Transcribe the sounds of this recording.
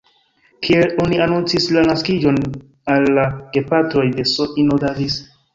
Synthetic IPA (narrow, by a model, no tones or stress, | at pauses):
kʰielo̞nianunt͡sislanaskid͡ʒo̞n | alːaɡ̥e̞patɾo̞jde̞soʔinodavis